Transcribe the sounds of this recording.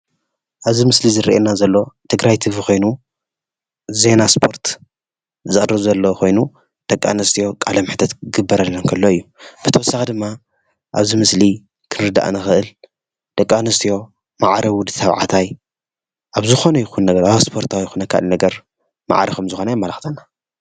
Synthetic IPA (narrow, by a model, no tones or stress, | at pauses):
ʔaβzimɨslizɨɾiʔenazɐlːo̞t̪ʰɨɡɾajt̪ʰɨβikʰo̞jnu | ze̞naspʰo̞ɾt̪ | zɨχʼɨrɨβzɐlːo̞kʰo̞jnu | d̪̥ɐkʼːa̰nɐst̪ʰijo̞kʼalɐmɨħt̪ʰɐt̪ɡɨbːɐɾɐlːɐnkʰɐlːo̞ɨjːub̥ɨt̪ʰɐwɔsːaxid̪ɨmːa | ʔaβzimɨsli | kʰɨnɨɾɨd̪a̰ʔnɨxɨʔɨl | d̪̥ɐkʼːanɐst̪ʰijo̞ | maʕaɾɐwʊd̪ɨt̪ʰɐβʕa̰t̪ʰaj | ʔaβzɨxo̞nɐjɪxunːɐɡɐɾawspʰo̞ɾt̪ʰawjxunɐkʰa̰linɐɡɐɾ | ma̰ʕaɾɐxɨmzɨxo̞nɐjmːɐlɐxt̪ʰɐnːa